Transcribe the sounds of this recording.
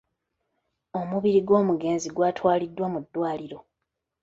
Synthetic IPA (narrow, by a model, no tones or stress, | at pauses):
o̞muβiɾiɡo̞ːmuɡe̞ːnziɡwaːtʰwaːlidːwamudːwaːliɾo̞